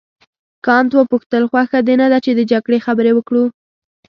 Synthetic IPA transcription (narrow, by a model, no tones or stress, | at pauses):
kɑnt̪wəpuxt̪əlxwaxad̪enad̪at͡ʃed̪əd͡ʒaɡɽexabəɾewəkɽu